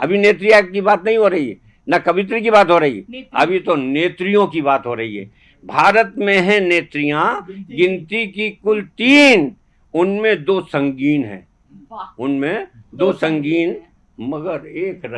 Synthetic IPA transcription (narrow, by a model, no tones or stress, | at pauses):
ɐ̰bʱineːt̪̬ɾijakibaːt̪nɐɦĩɦoɾɐɦiɛ̰ | nɐkɐʋɪt̪̬ɾekibaːt̪ɦoɾɐɦḭɐ̰bʱit̪oneːt̪ɾijõkibaːt̪ɦoɾɐɦḭɦɛ̰ː | bʱaːɾət̪mẽɦɛ̃neːt̪ɾijãɡɪ̃nt̪ikikʊlt̪iːn | ʊnmẽd̪oːsɐ̃ŋɡiːnɦɛ̰̃ː | ʊnmẽd̪oːsɐ̃ŋɡiːn | mɐɡəɾeːkɾɐ